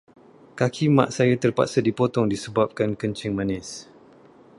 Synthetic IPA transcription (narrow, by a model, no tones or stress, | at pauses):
kakʰimã̰ʔsajat̪ərpa̰ʔsadipot̪ɔŋdisəbap̚kankənt͡ʃɪŋmãnɪs